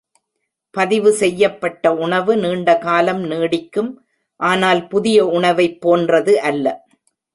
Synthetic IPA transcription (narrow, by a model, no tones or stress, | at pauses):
pɐðɪʋɯsɛjːɐpːɐʈːɐʊɳɐʋɯniːɳɖɐkaːlɐmniːɽɪkːɯm | ʔaːnaːlpʊðɪjɐʊɳɐʋɐɪpːoːndrɐðɯʔɐlːɐ